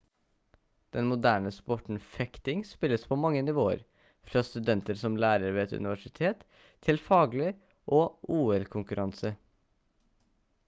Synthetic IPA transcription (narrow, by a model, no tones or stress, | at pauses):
d̪̥ɛnmʊd̪æːɳəspɔʈɳ̩fɛkt̪ɪŋspɪlːəspʰoːmɑŋːənɪʋoːə̰ɾ | fɾɑːst̪ʉd̪ɛnt̪əɾsɔmlæːɾəɾʋeːɛt̪ʉ̰nɪʋæʂɪt̪ʰeːt̪ʰː | ɪlfɑːɡlə | ʔoːʔuːɛlkʰʊŋkʉɾʔɑnsə